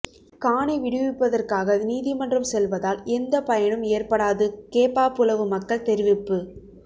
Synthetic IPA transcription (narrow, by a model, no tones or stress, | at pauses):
kaːɳɐɪʋɪɽɯʋɪpːɐðɐrkaːɣɐniːðɪmɐndrɐmsɛlʋɐðaːlɛnd̪ɐpɐjɐɳɯmeːrpɐɽaːðɯkeːpaːpɯlɐʋɯmɐkːɐlt̪ɛɾɪʋɪpːɯ